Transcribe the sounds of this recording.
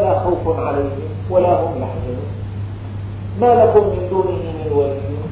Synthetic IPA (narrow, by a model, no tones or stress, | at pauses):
laxawfnʕalajhɪm | walaɦʊmlaħd͡ʒalṵːn | maːlakʊmːɪnd̪uːnɪhɪmɪnwalɪjɪ